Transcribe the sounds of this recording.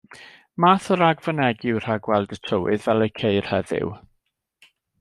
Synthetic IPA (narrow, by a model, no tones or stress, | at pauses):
maːθɔɾaɡvənɛɡɪwr̥aɡwɛlˠdətʰəwɨ̰ðvɛlˠekʰejr̥hɛðɪ̰w